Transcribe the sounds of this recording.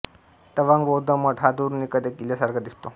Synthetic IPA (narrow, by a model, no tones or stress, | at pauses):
t̪əʋaŋɡbod̪əməʈʰɦad̪uɾnikəd̪ekiljasaɾɡad̪ist̪o